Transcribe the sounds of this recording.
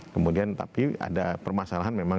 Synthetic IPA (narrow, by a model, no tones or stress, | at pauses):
kəmudiant̪a̰pia̰dapərmasalaɦanmema